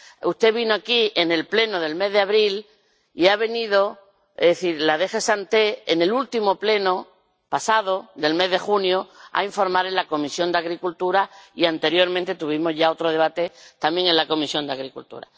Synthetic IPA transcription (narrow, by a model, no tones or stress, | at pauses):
ust̪e̞βinoakiene̞lple̞noðe̞lme̞zðeaβɾil | iaβ̞e̞niðo | ðeθiɾlaðe̞xe̞sant̪e̞ene̞lult̪imople̞no | pasaðo̞ðe̞lme̞zðe̞xunjoa̰iɱfo̞ɾmaɾe̞nlako̞misjo̞nd̪aɣɾikult̪uɾaiant̪e̞ɾjo̞ɾmẽnt̪e̞t̪uβ̞imo̞zʝao̞t̪ɾoð̞e̞βat̪et̪amje̞ŋe̞nlako̞misjo̞nd̪eaɣɾikult̪ṵɾa̰